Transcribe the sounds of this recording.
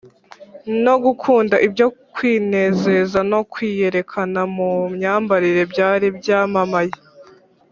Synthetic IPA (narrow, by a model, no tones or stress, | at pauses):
no̞ɡukʰuːndaʔibjo̞kwiːne̞ze̞zano̞kwiːje̞ɾe̞kʰanamumɲaːmbaɾiɾe̞bjaːɾibjaːmamaje